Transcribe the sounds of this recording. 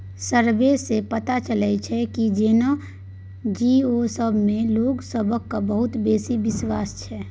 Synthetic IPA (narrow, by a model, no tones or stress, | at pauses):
səɾʋesepət̪at͡ʃələt͡ʃʰɛkid͡ʒeːna | d͡ʒiosəbʱmẽloːɡsəbʱəkːabəɦʊt̪beːsibɪswaːst͡ʃʰɛː